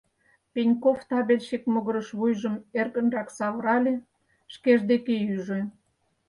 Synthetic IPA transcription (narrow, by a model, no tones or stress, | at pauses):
penʲkoft̪ɑβelʲʃekmoɣə̆ɾəʃβujʒəmerɣə̆nrɑksɑβəɾɑlʲe | ʃkeʒd̪ekeyʒĕ